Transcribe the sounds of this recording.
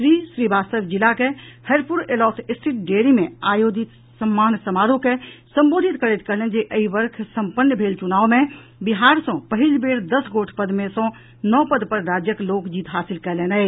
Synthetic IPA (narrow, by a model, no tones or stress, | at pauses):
ʃɾisɾibaːst̪əbd͡ʒilakehəɾpuɾelɔːt̪ʰɪsʈʰiʈ̚ɖeɾimẽajod͡ʒit̪ | səmːaːnsəmaːɾõkesə̃mbod̪ʱit̪kəɾet̪kəɦlend͡ʒeʔəiʋəɾkʰsəmpənːjəbʱeːlt͡ʃunaːʋmẽ | biɦaːɾsə̃pəɦilbeɽd̪əsɡoʈʰpəd̪mesə̃ | nɔpəd̪pəɾːad͡ʒjəkloːkd͡ʒiːt̪ɦaːsilkəlena